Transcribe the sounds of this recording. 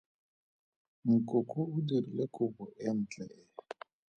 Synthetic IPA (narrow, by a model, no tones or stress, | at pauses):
ŋ̩kʼokʼɔudiɾilekʊbɔʔɛm̩t͡ɬʼɛɛ